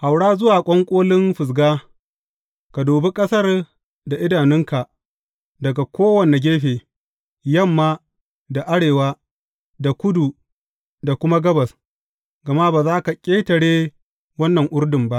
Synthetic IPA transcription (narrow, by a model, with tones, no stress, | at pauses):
ha˨wɽaː˦zʊ˦waː˨kʷʼɔ˦ŋkʷʼoː˦lɪ˦nɸɪ˨s̬ɡaː˦ | ka˨doː˨be˦kʼɐ˦sɐ˦r | da˨ʔɪ˦daː˨nɪ˦ŋka˨ | dɐ˨ɡa˨kʷʰoː˦wɐ˨ne˨ɡʲeː˦ɸeː˨ | jɐ˦˨mːaː˦ | da˨ʔa˦ɽeː˨waː˦ | da˨kʷʊ˦du˨ | da˨kʷʊ˦ma˦ɡɐ˦bɐ˨s | ɡɐ˨ma˦baː˨zaː˦ka˨kʲʼeː˦tɐ˨ɽeː˦ | wɐ˦nːɐ˨ŋʔʷʊ˦rdɪ˨mba˦ʔ